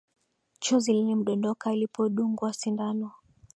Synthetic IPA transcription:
t͡ʃɔzilinɛm̩ɗɔndɔkailipʰɔɗuŋɡwasindanɔ

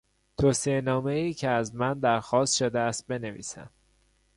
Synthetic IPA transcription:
t̪ʰoːsienɒːme̞iːcʰeæzmænd̪æɾxɒːst̪ʃod̪eæst̪̚be̞nevḭːsæ̰m

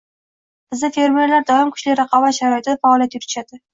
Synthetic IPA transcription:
b̥ɪzd̪ɪfe̞ɾme̞ɾlaɾd̪ɒɪmkʰʊ̥ʃlɪɾɑqʰɒvaʃaɾɒɪt̪ʰɪd̪afaɒlˠjat̪jʊt̪ʰɪ̥ʃad̪ɪ

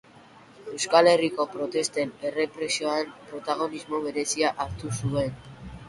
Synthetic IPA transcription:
e̞wskale̞riko̞pɾo̞t̪e̞st̪e̞ne̞re̞pɾesio̞aempɾo̞t̪aɣ̞o̞nizmo̞βe̞ɾe̞siaʔaɾt̪usue̞n

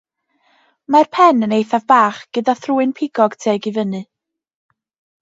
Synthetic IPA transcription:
marpʰɛnənejθavbaːχɡ̥ədaθruːɨnpʰɪɡɔɡ̥tʰeːɡivənɨ

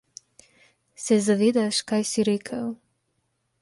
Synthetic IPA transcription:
sɛzaʋed̪aʃkajsiɾɛkʰaw

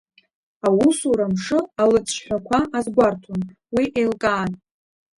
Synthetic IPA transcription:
awusuɾamʂɨalɨt͡sʰʼʃħʷᶣakʷʰaʔazɡʷartʰon | wiʔelkʼaːn

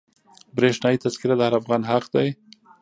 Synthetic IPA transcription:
bɾeʂnɑjit̪azkɪɾad̪əhaɾafɣɑnɦaqd̪aj

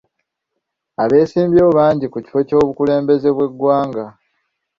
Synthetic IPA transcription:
aβe̞ːsiːmbjoːβaːɲɟikuci̥fo̞co̞ːβukule̞ːmbe̞ze̞βwe̞ɡwaːŋɡa

